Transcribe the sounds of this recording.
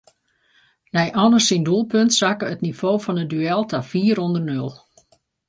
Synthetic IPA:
nɛjʔɔnəsinduəlˠpøntsakəətnifoːfɔnədyɛlˠtʰafiːəɾɔndərnølˠ

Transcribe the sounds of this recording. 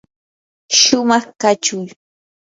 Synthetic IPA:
ʃʊmɑχkat͡ʃʊj

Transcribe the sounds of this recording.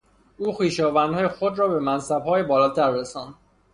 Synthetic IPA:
uːxiːʃɒːvænd̪hɒːjexod̪ɾɒːbe̞mænsæbhɒːjebɒːlɒːt̪ʰæɾːesɒːnd̪

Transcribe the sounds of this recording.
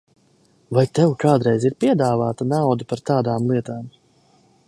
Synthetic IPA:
vajt̪ɛwkaːd̪ɾɛjziɾpiɛd̪aːvaːt̪anawd̪upaɾt̪aːd̪aːmlˠiɛt̪aːm

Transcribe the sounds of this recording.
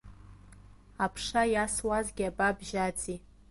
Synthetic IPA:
apʰʂajaswazɡʲiababʒat͡sʼi

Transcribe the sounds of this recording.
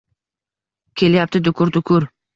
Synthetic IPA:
kʲʰe̞ljap̚t̪ɪd̪ʊkʰʊɾd̪ʊkʰʊɾ

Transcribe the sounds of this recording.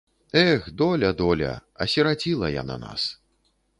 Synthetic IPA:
ɛxd̪ɔlʲɐd̪ɔlʲɐ̰ɐsʲiɾat͡sʲilˠɐja̰na̰na̰s

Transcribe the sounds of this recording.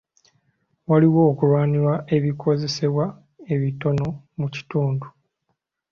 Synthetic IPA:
waliwo̞ːkuɾwaːniɾwae̞βikʰo̞ze̞se̞βwa | e̞βito̞no̞ | muci̥tuːndu

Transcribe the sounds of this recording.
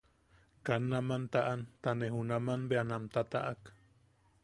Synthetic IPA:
kanːamant̪aʔant̪anehunamanbeanamt̪at̪a̰ʔak

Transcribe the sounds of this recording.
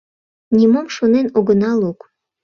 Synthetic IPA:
nʲimomʃonenoɣənɑluk

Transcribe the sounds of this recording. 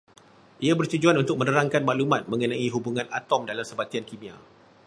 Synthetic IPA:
ʔiabərt̪ud͡ʒuanunt̪ʊk̚mə̃ndəɾaŋkanmaʔlumãt̪̚mə̃ŋənãiɦubuŋãnat̪ɔmdalamsəbat̪iankimĩa

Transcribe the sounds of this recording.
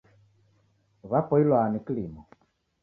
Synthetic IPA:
βapɔilwanikilimɔ

